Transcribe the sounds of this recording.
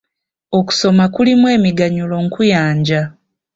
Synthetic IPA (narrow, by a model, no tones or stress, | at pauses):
o̞ku̥so̞makulimwe̞ːmiɡaɲulo̞ŋkujaːɲɟa